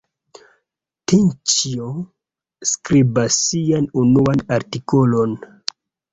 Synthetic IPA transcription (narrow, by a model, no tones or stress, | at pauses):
tint͡ʃio | skɾibasːianunuanaɾtikolo̞n